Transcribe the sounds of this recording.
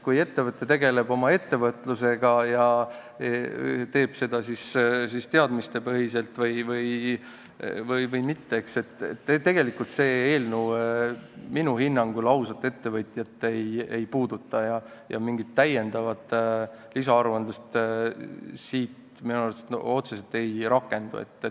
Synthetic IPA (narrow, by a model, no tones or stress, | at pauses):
kuje̞t̪ːe̞vɤt̪ːˑe̞t̪e̞ɡe̞le̞bo̞mɑe̞t̪ːe̞vɤt̪ːˑluse̞ɡ̥ɑjɑ | et̪e̞ːb̥se̞d̪̥ɑsissist̪eɑd̪mist̪e̞pɤɦise̞lt̪vɤjvɯj | vɯjvɯjmit̪ːe̞ekse̞t̪ːḛt̪ːet̪ːe̞ɡ̥e̞likult̪se̞ːeːlnu | minuhinːɑŋɡ̥ulɑwsɑt̪ːˑe̞t̪ːe̞vɤt̪ʲjɑt̪ːˑe̞jejpuːd̪̥ut̪ːˑɑjɑ | jɑ̰miŋɡ̥it̪ːæje̞nd̪ɑvɑt̪ːˑ | lisɑɑɾuɑnd̪̥ust̪ | siːt̪ | minuɑɾlt̪eso̞t̪seselt̪e̞jɾɑkːˑe̞nd̪̥ṵḛt̪ː